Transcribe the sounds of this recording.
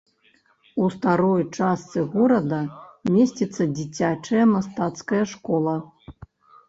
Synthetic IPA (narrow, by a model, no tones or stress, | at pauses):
ust̪aɾɔjt͡ʂast̪sɨɣɔɾɐd̪ɐmʲesʲt͡sʲit̪sːɐd͡zʲit͡sʲat͡ʂɐjɐmast̪at̪skɐjɐʂkɔlˠɐ